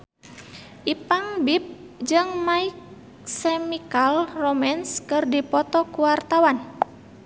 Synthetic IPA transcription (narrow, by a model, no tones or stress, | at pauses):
ʔipaŋbip̚ | d͡ʒɨŋmaik̚ | sɛmikalromɛnskɨrdipɔt̪ɔkuwart̪awan